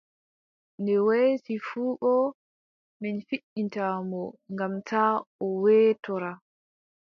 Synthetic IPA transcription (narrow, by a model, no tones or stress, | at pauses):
ndɛwesifuːɓɔ | mɛnfiɗintamɔŋɡamtaːɔwɛːtɔɾa